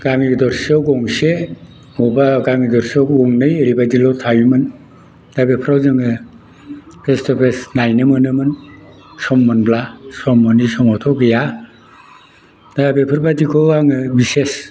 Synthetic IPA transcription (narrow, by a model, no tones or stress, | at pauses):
ɡ̥aŋiɡdɔɾsiawɡɔŋse | mɔbaɡamidɔɾsiawɔŋnɯjeɾibadilɔwtʰajumɯn | d̥abepʰɯɾawzɯŋɯ | pʰestɔpʰesnajnɯmɯnɯmɯn | sɔmːɯnblasɔmːɯnisɔŋɔtʰɔɡɯja | dabepʰɯɾbadikʰɔaŋɯbises